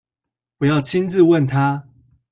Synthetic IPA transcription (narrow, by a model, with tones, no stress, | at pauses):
wɔ˨˩jɑ˥˨˩ʊt͡ɕʰi˦nt͡sɹ̩˥˧wə˥˨nt̪ʰa˦